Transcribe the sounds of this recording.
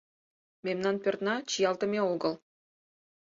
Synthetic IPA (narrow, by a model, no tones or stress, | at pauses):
mʲemnɑnpʲø̆rt̪nɑt͡ɕijɑlˠt̪ə̆mʲeoɡɤ̆lˠ